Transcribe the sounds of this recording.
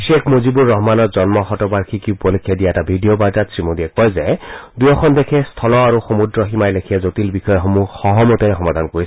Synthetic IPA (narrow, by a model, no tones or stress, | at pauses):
biʃekʰmozibuɹːɔɦmanɔtzɔnmɔxɔtɔbaɹkʰikiupɔlikʰjadijaɛtabʱidijobaɹtatsɹimodiɛkɔjzɛdujɔxʰɔndekʰɛstʰɔlɔaɹuxomudɹɔɦimajlekʰijɛzotilbixɔjɔɦomuxɔɦɔmutɛxɔmad̪ʱankoɹis